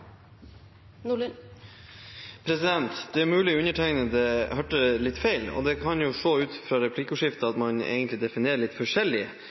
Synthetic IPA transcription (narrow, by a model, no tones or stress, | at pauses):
n | pʰɾɛsɪd̪ɛnt̪d̪ɛæɾmʉːlɪɔʉnəʈʰæɪnəd̪ɛhœʈəlɪt̪ːfæɪlɔ̰d̪ɛkʰɑnjʊʂoːʉːt̪fɾɑɾɛpʰlɪkːʊʂɪft̪əɑt̪mɑnḛːɡənt̪lɪd̪ɛfɪneːɾəɭɪt̪fɔʂɛlːɪə